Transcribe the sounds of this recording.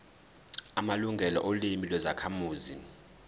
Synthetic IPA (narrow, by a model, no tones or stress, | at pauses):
amaluŋɡʱɛlɔ̰ʔolimilwɛzakʰamuːzin